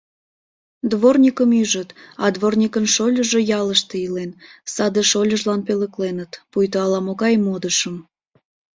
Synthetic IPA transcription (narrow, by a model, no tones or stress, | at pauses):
d̪βornʲikəmyʒət̪ɑd̪βornʲikənʃolʲəʒejɑləʃt̪eilensɑd̪əʃolʲəʒlɑnpeləklenət̪pujt̪oɑlɑmoɣɑjmod̪əʃəm